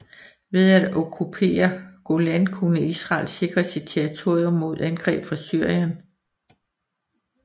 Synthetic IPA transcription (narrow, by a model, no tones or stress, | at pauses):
ʋe̝ðˠæd̥ɔkʰupʰe̝̰ːɐɡ̥o̝lænkʰunəisʁɑ̰̈ːlse̝ɡ̥ʁɐsid̥̚t͡sʰeɐʁit͡sʰo̝ɐ̰jomːo̝ð̞̰ˠænɡ̥ʁɛ̰ːb̥fʁɑ̈syɐ̰jɐn